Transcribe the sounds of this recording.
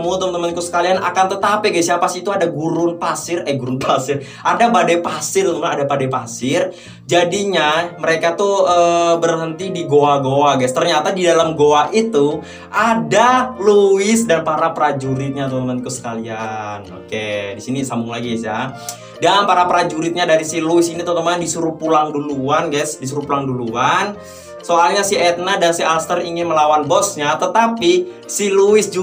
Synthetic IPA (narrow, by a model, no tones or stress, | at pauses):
mut̪əmt̪əmənkusə̥kaliana̰kant̪ət̪apɛɡasiapasiːt̪uadaɡuɾʊnpasɪrɛɡuɾunpʰasɪr | ʔadapadajpasɪrt̪uumanadapadajpasɪr | d͡ʒadiɲaməɾekat̪uəbərɦənt̪idiɡoaɡoaɡast̪ərɲat̪adidalamɡoaʔit̪u | ʔadaluwɪsdanpaɾapɾad͡ʒuɾɪt̪̚ɲat̪ut̪əmant̪ikusə̥kaliano̰kedisinisambʊŋlaɡisja | dampaɾapəɾad͡ʒuɾɪt̪̚ɲadaɾisiluɪsinit̪ət̪əmaɲadisuɾupulaŋduluanɡasdis̬uɾupulaŋduluan | soalɲasiɛt̪̚nadansiast̪əriŋɪnməlawanbɔsɲat̪ət̪api | siluɪsd͡ʒu